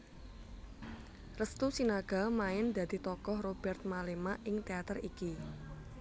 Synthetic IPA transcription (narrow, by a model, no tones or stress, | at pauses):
rəst̪usinaɡ̥a̤maɪnd̪ä̤d̪̥i̤t̪ɔkɔhrob̥ɛrt̪̚malemaʔɪŋt̪eat̪əriki